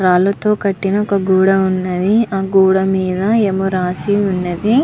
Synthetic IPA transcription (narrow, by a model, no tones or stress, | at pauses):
ɾaːlɐt̪o̞ːkɐʈːinɐɔkɐɡuːɽɐunːɐd̪iaːɡuːɽɐmiːd̪ɐeːmuɾaːsiunːɐd̪i